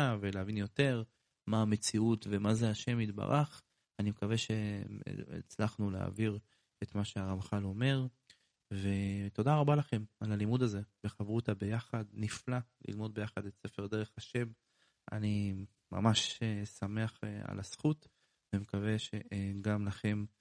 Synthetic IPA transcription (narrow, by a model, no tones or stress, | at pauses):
aveleavinjo̞t̪e̞ʁ | maːme̞t͡siutvemazeaʃe̞mit̪ba̰ʁaχ | animekave̞ʃe̞̰ | t͡slaχnulea̰viʁ | et̪maʃeaʁamχalo̞me̞ʁ | ve̞t̪o̞d̪aʁabalaχe̞malalimud̪aze̞beχavʁutabe̞jaχadniflalḭlmo̞d̪̚be̞jaχadetse̞fe̞ʁd̪e̞ʁe̞χaʃe̞m | ʔa̰ni | ma̰maʃesame̞aχea̰lasχut̪ | vemekave̞ʃeɡamlaχe̞m